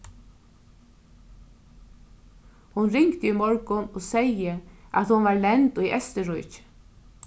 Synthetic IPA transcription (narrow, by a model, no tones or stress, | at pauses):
hʊnɾɪŋkt̪imɔɹkʊnɔːsɛjəa̰t̪hʊnʋaɹlɛnt̪ʊjʔɛ̰st̪ɪɾʊjt͡ʃ